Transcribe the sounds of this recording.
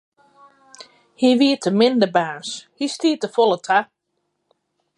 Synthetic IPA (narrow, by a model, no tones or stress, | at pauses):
hiʋiətəmɪndəbaːshistiətəfolətʰa